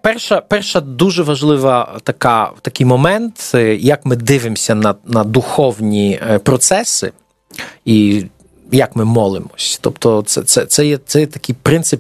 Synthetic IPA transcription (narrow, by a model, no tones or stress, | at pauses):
pɛrʃɐpɛrʃɐd̪uʒɛʋɐʒlˠɪʋɐt̪ɐka̰t̪ɐkɪjmɔmɛnt̪jɐkmɪd̪ɪʋɪmsʲɐnɐnɐd̪uxɔwnʲipɾɔt̪sɛsɪ̰ | i | jɐkmɪmɔlˠɪmɔsʲt̪ɔpt̪ɔt̪sɛt̪sɛt̪sɛjɛt̪ɛjɛt̪ɐkɪjpɾɪnsɪp